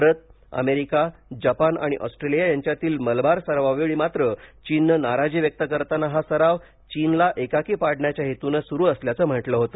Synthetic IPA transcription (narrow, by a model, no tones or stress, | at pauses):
ɾət̪̚ | ə̰meɾikad͡ʑapana̰ɽ̃iʔɔsʈɾelijajaɲt͡ɕjat̪iːlməlbaɾsəɾʋaʋeɭiːmat̪ɾət͡ɕinːənaɾad͡ʑiʋjək̚t̪əkəɾt̪anaɦasəɾaʋ | t͡ɕinlaʔekakipaɽɳjat͡ɕjaɦet̪unəsuɾuːəsljat͡səːm̤əʈləɦot̪ə